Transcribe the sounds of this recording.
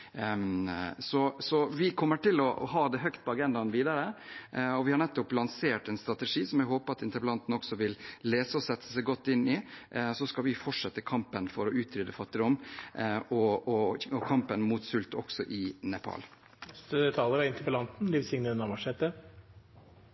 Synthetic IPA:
sɔsɔʋɪkʰɔmːəʈɪlɔ̰hɑːd̪ɛɦœkt̪̚pʰɔɑɡɛnd̪ɑnʋiːd̪ɑɾə | ɔʋɪhɑɳɛt̪ːɔplɑnseːʈɛnst̪ɾɑt̪ɛʂiːsɔmjɛɡɦoːpəɾɑt̪ɪnt̪əɾpəlɑnt̪n̩ɔksɔʋɪlːeːsəɔsɛt̪ʰːə̥sɛɪɡɔt̪ːɪnːɪsɔskɑlʋɪfɔʈʂɛt̪ːəkʰɑmpənfɔɾɔʉːt̪ʰɾʏːd̪əfɑt̪ːɪɾʊm | ɔɔɔkʰɑmpənmut̪sʉlt̪ɔ̰ksɔʔɪnɛpʰɑ̰ːl | st̪ət̪ʰɑːləɾæɪnt̪əɾpəlɑnt̪n̩lɪʋsɪŋnənɑmɑʂɛt̪ːə

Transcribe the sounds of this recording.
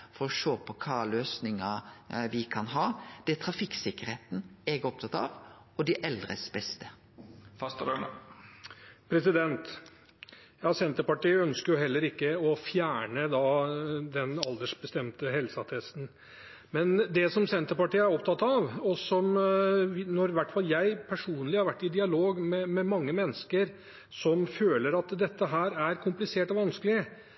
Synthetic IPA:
fɔɾɔʂoːpʰɔkʰɑːløːsnɪŋəʋɪkʰɑnɦɑːd̪̥ɛæt̪ʰɾɑfɪkːsɪkːəɾheːt̪n̩ɛɡɔp̚t̪ʰɑt̪ɑ̰ʋ | ɔd̪ɪʔɛld̪ɾə̰sbɛst̪ə | fɑst̪ɑɾøɳ | pʰɾɛsɪd̪ɛnt̪ | jɑːsɛnt̪əɾpɑʈiːœnskəɾjʊhɛlːəɾɪkːəɔfjæːɳəd̪ɑd̪ɛnɑld̪əʂbəst̪ɛmt̪əɦɛlsɑt̪ʰɛst̪n̩ | mɛnd̪ɛsɔmsɛnt̪əɾpɑʈiːəæɾɔpt̪ʰɑt̪ːɑʋɔsɔmʋnɔɾʋæʈːfɑljæɪpʰæʂuːnəlɪhɑɾʋæʈːɪd̪ɪɑloːɡmɛmɛmɑŋːəmɛnːəskəɾ | sɔmføːləɾɑt̪d̪ɛt̪ːəɦæːɾæɾkʰʊmplɪseːʈɔʋɑnskəlɪə

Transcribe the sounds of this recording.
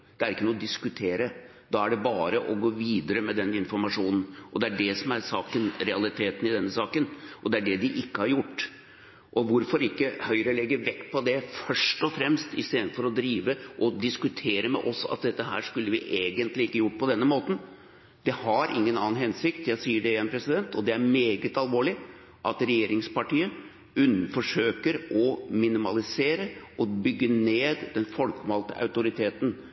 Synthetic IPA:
d̪̥ɛæɾɪkːənuːɔd̪ɪskʉt̪ʰeːɾə | d̪̥ɑæɖɛbɑːɾəʔɔɡoːʋiːd̪əɾəmɛd̪ɛnːɪnfɔɾmɑʂuːnn̩ɔd̪ɛæɖɛsɔmæɾsɑːkənɾɛɑlɪt̪ʰeːt̪nɪd̪ɛnːəsɑːkənʔɔd̪ɛæɖɛd̪ɪʔɪkːəhɑɾjʊʈː | ʔɔʋʊɾfɔɾɪkːəhœʏɾəlɛɡːəɾʋɛkːpʰɔd̪ɛfœʂʈɔfɾɛmst̪ɪ̰st̪eːd̪n̩fɔɾɔd̪ɾiːʋəʔɔd̪ɪskʉt̪ʰeːɾəmɛ̰ʔɔsɑ̰t̪̚d̪ɛt̪ːəɦæ̰ːʂkʉlːəʋɪʔeːɡənt̪lɪɪkːəjʊʈːpʰɔd̪ɛnːəmoːt̪n̩ | d̪ɛhɑɾʔɪ̰ŋːənɑ̰ːnhɛnsɪkt̪jæɪsiːəɖɛeɛnpʰɾɛsɪd̪ɛnt̪ʰɔd̪ɛæɾmeːɡət̪ɑlʋoːɭɪ | ʔɑ̰t̪ɾɛjeːɾɪŋspɑʈiːə | ʉnːnfɔʂøːkəɾʔɔmɪnɪmɑ̰lɪseːɾəʔɔbʏɡːəneːd̪d̪ɛnfɔlkmɑlt̪ə̰ʔɑ̰ʉt̪ʊɾɪt̪ʰeːt̪n̩

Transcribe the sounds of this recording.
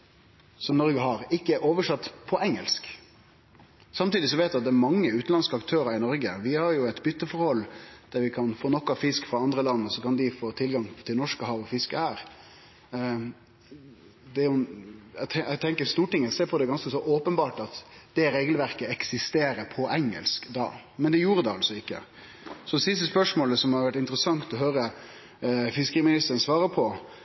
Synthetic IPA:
sɔmnɔɾɡəɦɑɾɪkːəʔoːʋəʂɑt̪ːpʰɔʔɛŋːəlsk | sɑmt̪iːd̪ɪsɔʋeːt̪ʋɛɑt̪̚d̪ɛːæɾmɑŋːəʉːt̪n̩ɑnskəɑkt̪ʰøːɾəɾɪnɔɾɡəʋɪhɑɾjʊɛɪt̪bʏt̪ːəfɔɾhɔlːd̪̥æɾʋɪkʰɑnfoːnɔkːɑfɪskfɾɑɑnd̪ɾəlɑnːɔsɔkɑnd̪ɪfoːt̪ʰɪlɡɑŋt̪ʰɪlnɔʂkəɦɑːʋɔfɪskəhæːɾ | d̪ɛʊɛɛɡt̪ʰɛŋkəɾst̪uːʈɪŋːəseːpʰɔd̪ɛɡɑnskəsɔʔoːpənbɑːʈɑt̪d̪̥ɛɾeːɡəlʋæɾkəɛksɪst̪eːɾəɾpʰɔʔɛŋːə̰lskd̪ɑ̰ː | mɛnd̪ɛjuːɾəd̪ɛɑlsɔɪkːə̰ | sɔd̪ɛsɪst̪əspœʂmoːləsɔmhɑɾʋæʈɪnt̪əɾəsɑŋt̪ɔɦøːɾə | fɪskəɾmɪnɪst̪əɾənsʋɑːɾəpʰɔ

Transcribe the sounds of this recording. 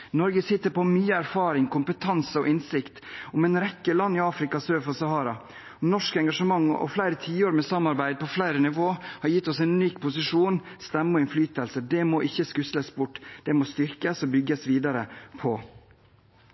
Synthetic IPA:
nɔɾɡəsɪt̪ːəɾpɔmyːəæɾfɑːɾɪŋkʊmpət̪ʰɑnsəɔʔɪnsɪkt̪ɔmɛnɾɛkːəlɑnːɪɑːfɾɪkɑsøːfɔsɑhɑːɾɑ | ɔmnɔʂkɛŋɡɑʂəmɑŋːɔ̰flæɪɾət̪ʰiːoːɾmɛsɑmːɑɾbæɪd̪̚pʰɔflæɪɾənɪʋoːhɑɾjɪt̪ːɔsæɪnnyːkpʰʊsɪʂuːnst̪ɛmːəɔɪnflyːt̪əlsəɖɛmoʔɪçːəskʉsləsbʊʈːd̪̥ɛmost̪ʏɾkəsɔbʏɡːəsʋiːd̪ɑɾəpʰɔ

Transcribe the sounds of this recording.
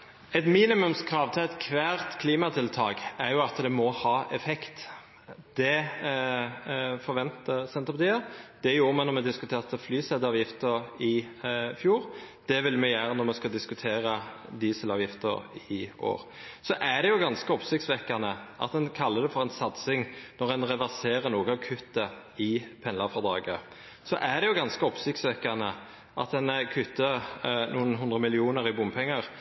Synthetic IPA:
ɛt̪miːnɪmʉmskʰɾɑːʋt̪ʰɛɛt̪kʰʋæːʁt̪kʰliːmɑt̪ʰɪlt̪ʰɑːkæɾjʊɑt̪d̪ɛmɔhɑːʔɛfɛkt̪ | d̪̥ɛ | fɔʁʋɛnt̪əsɛnt̪ʁəpɑt̪ʰiːəd̪̥ɛæjuːɾmɛnɔɾmɛd̪ɪskʉt̪ʰeːʁt̪əflyːsɛd̪ɑːʋjɪft̪əɾɪfjuːɾ | d̪̥ɛʋɪlmɛjæːɾənɔmɛskɑd̪ɪskʉt̪ʰeːʁə | d̪iːsəlɑːʋjɪft̪ə̰ɾɪʔo̰ːʁ | sɔʔæɖ̪ɛjʊɡɑnskəɔpsɪkt̪sʋɛkːɑnəʔɑ̰t̪̚d̪ɛnkʰɑlːəd̪ɛfɔʁɛɪnsɑt̪sɪŋnɔʁɛnʁɛʋæseːʁənuːɡəɑʋkʰʉt̪ːə | ɪpʰɛnlɑʁfɑd̪ɑːɡə | sɔ̰ʔæɖ̪ɛjʊɡɑnskəɔpsɪk̚t̪sʋɛkːɑnə | ʔɑ̰t̪ɛnkʰʉt̪ːənuːənɦʉnd̪ʁəmɪlɪuːnəɾɪbʊmpʰɛŋːɑʁ

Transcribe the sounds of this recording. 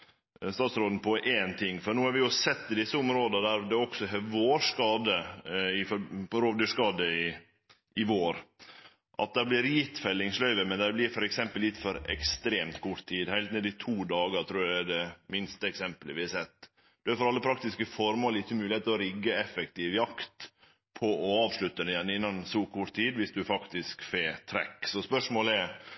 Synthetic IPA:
st̪ɑːt̪sɾoːd̪n̩pʰɔʔeːnt̪ʰɪŋːfɔnuːɑɾʋɪjʊsɛt̪ːɪd̪ɪsːəʊmɾoːd̪ənəd̪æɾd̪ɛɔksɔɦɛʋoːʂkɑːd̪əɪfɔɾpɔɾoːʋd̪yːʂkɑːd̪əɪ | ʔɪʋoːɾ | ʔɑ̰t̪̚d̪æblɪːɾjɪt̪fɛlːɪŋslœʏʋəmɛnd̪æblɪɾfɔɾɛksɛmpəllɪt̪ːfɔɾɛ̰kst̪ɾeːmt̪kʰʊʈt̪ʰːiːd̪hæɪlt̪nɛd̪it̪ʰuːd̪ɑːɡət̪ʰɾuːɑɛd̪ɛmɪnst̪əɛksɛmpələʋɪɛsɛt̪ː | d̪̥ʉæɾfɔɾɑlːəpʰɾɑk̚t̪ɪskəfɔɾmoːlɪçːəmʉːlɪheːt̪əlɔɾɪɡːəɛfɛk̚t̪iʋjɑkt̪ | pʰɔʔɔɑːʋʂɭʉt̪ːəd̪ɛjɛnːɪnːɑnsuːkʰʊʈt̪iːd̪ʋɪsd̪ʉfɑkt̪ɪskfeːt̪ʰɾɛ̰kːsɔspœʂmoːlɛɾ

